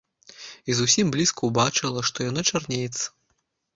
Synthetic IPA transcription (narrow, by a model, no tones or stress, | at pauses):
izusʲimblʲiskuwbat͡ʂɨlˠɐʂt̪ɔjanat͡ʂarnʲejɛt̪sɐ̥